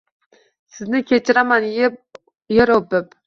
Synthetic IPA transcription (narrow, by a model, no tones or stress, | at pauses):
sɪznɪkʲʰet͡ʃʰɪɾamanj | jeɾopɪp